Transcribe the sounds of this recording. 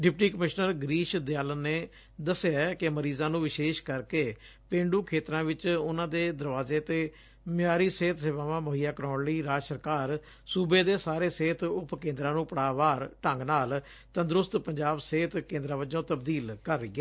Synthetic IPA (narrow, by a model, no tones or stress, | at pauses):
ɖɪp̚ʈiːkəmɪʃnəɾɡɾiːʃd̪ɪjaːlənːeː | d̪əsɪjaːkɪməɾiːzãːnũːʋɪʃeːʃkəɾkeːpẽːɳɖuːkʰeːt̪ɾãːʋɪt͡ʃʊnãːd̪eːd̪əɾʋaːzeːt̪eː | mɪjaːɾiːseːt̪ʰseʋãːʋãːmoɦijaːkəɾɔ̃ːnliːɾaːd͡ʒsəɾkaːɾ | suːbeːd̪eːsaːɾeːseːt̪ʰʊpkẽːnd̪ɾãːnũːpəɽaːʋaːɾʈəŋɡnaːl | t̪ə̃nd̪ɾʊst̪pəɲd͡ʒaːbseːt̪kẽːnd̪ɾãːʋəd͡ʒõːt̪əbd̪iːlkəɾːəiːɛː